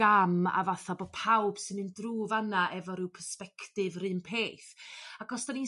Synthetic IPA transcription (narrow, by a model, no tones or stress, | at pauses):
ama̰vaθabopʰawb̥sɨnɨndruːvanaʔɛvɔɾɪwpʰərspɛkʰtɨvrɨnpʰeːθakɔsd̥ani